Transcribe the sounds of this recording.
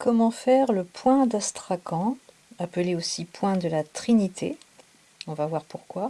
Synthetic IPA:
kɔmɑ̃fɛʁləpwɛ̃d̪ast̪χakɑ̃ | apəleosipwɛ̃d̪əlat̪χinit̪ʰḛ | ɔ̃vavwaʁpuʁkwa

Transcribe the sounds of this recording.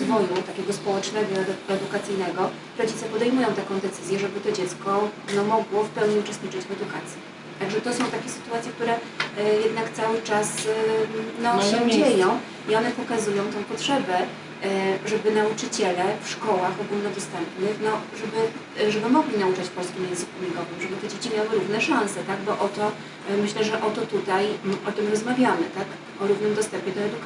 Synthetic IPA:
d̪vɔjut̪akʲɛɡɔspɔwɛt͡ʂnɛɡɔɛd̪ukat̪sɘjnɛɡɔ | ɾɔd͡ʑit̪sɛpɔd̪ɛjmujɔ̃w̃t̪akɔ̃w̃d̪ɛt̪sɘzʲjɛʐɛbɘt̪ɔd͡ʑɛt̪skɔnɔmɔɡwɔfpɛwɲiut͡ʂɛst̪ɲit͡ʂɘt͡ɕvɛd̪ukat̪sʲji | t̪aɡʐɛt̪ɔsɔ̃w̃t̪akʲɛsɘ̥t̪uwat̪sʲjɛk̚t̪uɾɛ | jɛd̪nakt̪sawɘt͡ʂas | nɔɛd͡ʑejɔ̃w̃ | iɔnɛpɔkazujɔ̃w̃t̪ɛ̃w̃pɔtʂɛbɛ | ʐɛbɘnaut͡ʂɘt͡ɕɛlɛfʂkɔwaxɔɡulnɔd̪ɔst̪ɛmpnɘxnɔʐɛbɘ | ʐɛbɘmɔɡlʲinaut͡ʂat͡ɕpɔlskʲimjɛnzɘkumʲiɡɔvɨmʐɛbɘt̪ɛd͡ʑet͡ɕimʲjawɘɾuvn̪ɛʂãsɛt̪aɡbɔʔɔt̪ɔ | mɘɕlɛʐɛʔɔt̪ɔt̪ut̪ajʔɔt̪ɘmɾɔzmavʲjamɘt̪ak | ɔɾuvnɘmd̪ɔst̪ɛmpʲɛd̪ɔɛd̪uk

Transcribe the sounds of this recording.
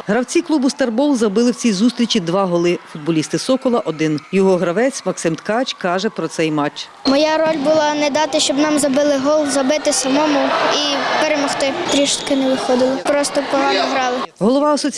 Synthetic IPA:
ɦɾɐwt͡sʲiklˠubʊst̪ɐrbɔlˠzɐbɪlˠɪwt͡sʲijzust̪ʲɾʲit͡ʃid̪ʋɑɦɔlˠɪfʊd̪̚bɔlʲist̪ɪsɔkɔlˠɐʔɔd̪ɪnjɔɦɔɦɾɐʋɛt͡sʲmɐksɪmt̪kɑt͡ʃkɑʒɛpɾɔt̪sɛjmɑt͡ʃː | mɔjaɾɔlʲbʊlˠɑnɛd̪ɑt̪ɪʃt͡ʃɔbnɑmzɐbɪlˠɪɦɔlˠzɐbɪt̪ɪsɐmɔmʊipeɾemɔxt̪ɪt̪ɾʲiʃʊ̥t̪kɪnɛʋɪxɔd̪ɪlˠɪpɾɔst̪ɔpɔɦɑnɔɦɾɑlˠɪ | ɦɔlˠɔʋɑɐsɔt͡sʲ

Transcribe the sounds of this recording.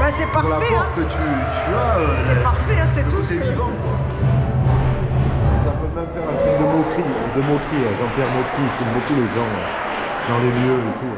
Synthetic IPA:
basɛpalafɔ̃ʁkət̪y | t̪yasɛpaʁfɛɛ̃sɛt̪usɛvviivɑ̃kwa | mɛsapømɛmfɛʁɛ̃t̪χyk̚d̪əmok̪χiɛ̃d̪əmokχiəʒɑ̃pjɛʁmokχikumbokuleʒɑ̃ø̰ | d̪ɑ̃lemjøet̪u

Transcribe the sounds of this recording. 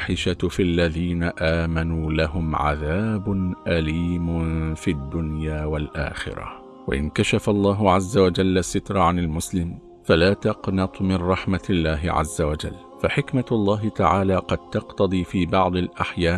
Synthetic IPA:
ħɪʃafʔlːaðiːnaʔaːmanuːlaɦʊmʕa̰ðaːbʊnʔaliːmʊfiːad̪ːʊnjaːwalʔa̰ːxɪ̰ɾa̰ | wa̰ʔɪ̰nkaʃafalˤːɑːɦʊʕazːawad͡ʒalːasːɪt̪ɾˤʕanalmʊslɪm | falaːt̪ɑqnɑt̪ˤmɪnɾˤɑħmalːaːɦɪ̰ʕa̰zːawad͡ʒa̰lː | faħɪkmalˤːɑːɦɪt̪aʕaːlaːqɑd̪̚t̪ɑqt̪ɑd̪ˤiːfiːbɑʕd̪ˤɪlʔaħjaː

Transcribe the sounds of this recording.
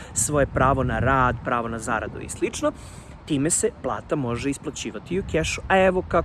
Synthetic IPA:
sʋo̞je̞pɾaːʋo̞naɾaːd̪pɾaːʋo̞naza̰ːɾa̰d̪o̰ḭslˠit͡ʂno | t̪iːme̞se̞plˠa̰ːt̪amo̞ʒeisplˠat͡ɕiːʋat̪iukeʃu̥aeʋoka

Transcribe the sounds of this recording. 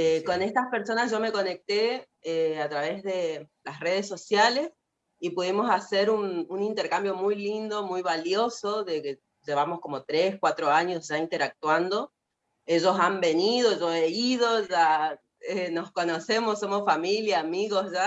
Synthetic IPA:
eko̞ne̞st̪aspe̞ɾso̞nazʒo̞me̞ko̞ne̞k̚t̪e | eat̪ɾaβe̞zðe̞lasre̞ð̞eso̞sjales | ipuðimo̞sase̞ɾununint̪e̞ɾkambjo̞mujlind̪omujβaljo̞so̞ðeke | ʒe̞βamo̞sko̞mo̞t̪ɾe̞skwat̪ɾo̞aɲo̞sʒaint̪e̞ɾak̚t̪wand̪o̞ | e̞ʒo̞sambe̞nið̞o̞ʒo̞eið̞o̞ʒa | eno̞sko̞nose̞mossːo̞mosfamiljaːmiɣosʒa

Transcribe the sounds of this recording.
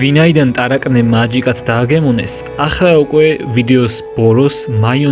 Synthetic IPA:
vinaid̪ant̪ʼaɾakʼnɛmad͡ʒikʼat̪ʰd̪aːɡɛmɔnɛ̰s | aχlaukʼwɛvid̪ɛɔsb̥ɔɾɔsmajɔ

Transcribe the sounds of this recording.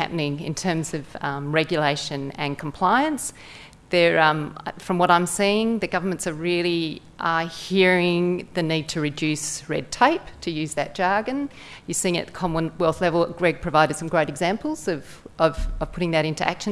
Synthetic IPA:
æ̰pnɪ̃ŋɨ̰̃ntʰɜ̃˞mzʌvɹɛɡjɨleɪʃɨ̃nɨ̃nkʰm̩pʰl̥aɪɨ̃ns | ðə˞ʌ̃mfɹʌ̃mwʌɾãɪ̃msiɪ̃ŋðɨɡʌvə˞mɨ̃ntsə˞ɹɪlˠi | ʔʌhiɹɪ̃ŋðɨnid̚tʰɨɹɨdʉsɹɛd̚tʰeɪp̚tʰɨjʉzðɨt̚d̥ʒ̥ɑɹɡɨ̃n | jə˞siɪ̃ŋɨ̰t̪̚ðə̥kʰɑmə̃nwɛlˠθlɛvl̩ˠɡ̥ɹɛɡ̚pʰɹ̥ɨvaɪɾɨd̥sʌ̃mɡɹeɪɾɨɡzæ̃mpl̩ˠz̥ʌv | ʔʌv̥ʌv̥pʰʊɾɪ̃ŋðɨɾɪ̃ntʉʔæ̰kʃɨ̃

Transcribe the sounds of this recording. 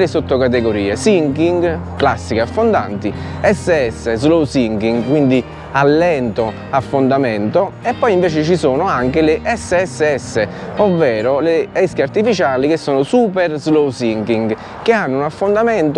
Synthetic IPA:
ɾesot̪ːokat̪eɡoɾiːesiŋkiŋɡklasːikeafːond̪a̰nt̪iɛsːeɛsːezlowsiŋkiŋɡkːwind̪i | alːɛnt̪o | afːond̪amɛnt̪oɛpːɔjiɱveːt͡ʃet͡ʃisoːnoaŋkelɪʔɛsːeɛsːeɛsːe | ovːɛːɾoleɛskeart̪ifit͡ʃaːlikesːoːnosuːpɛrzlowsiŋkiŋɡ | keanːunafːond̪amɛnt̪

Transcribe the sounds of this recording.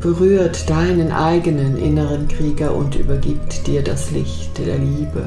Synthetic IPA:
b̥əʁyːɐtd̥aɪnənʔaɪɡənənʔɪ̰nəʁənkʁ̥iːɡɐʔʊ̰ntʔy̰ːbɐɡiːp̚td̥iːɐdaslɪ̰çtd̥eːɐliːbə

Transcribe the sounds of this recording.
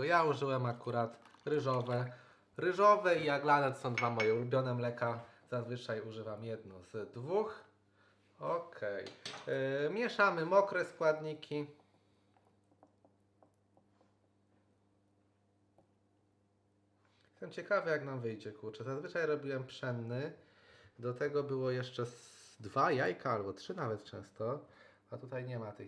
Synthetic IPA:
t̪ɔjauʐɘwɛmakuɾat̪ɾɘʐɔvɛ | ɾɘʐɔvɛijaɡlanɛt̪sɔ̃w̃d̪vamɔjɛlubʲjɔnɛmlɛkaz̥azvɘt͡ʂajuʐɘvamjɛd̪nɔ̃z̥d̪vux | ɔkʰɛj | mʲjɛʂamɘmɔkɾɛskwad̪ɲikʲʰi | jɛst̪ɛmt͡ɕɛkavɘjaknamvɘjd͡ʑɛkuɾt͡ʂɛzazvɘt͡ʂajɾɔbʲiwɛmpʂɛnːɘ | d̪ɔt̪ɛɡɔbɘwɔjɛʂt͡ʂɛd̪vajajkaalbɔtʂɘnavɛt̪̚t͡ʂɛ̰̃w̃st̪ɔ | at̪ut̪ajɲɛmat̪ɘ̰

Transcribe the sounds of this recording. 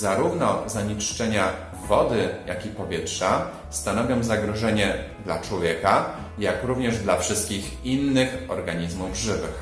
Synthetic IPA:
zaɾuvnɔzaɲit͡ʂt͡ʂɛɲa | vɔd̪ɘja̰kʲipɔvʲjɛtʂa | st̪anɔvʲjɔ̃w̃zaɡɾɔʐɛɲɛd̪la̰t͡ʂwɔvʲjɛka | jakɾuvɲɛʐd̪lafʂɘst̪̚kʲix | inːɘxɔ̰ɾɡaɲizmuvʐɘvɘx

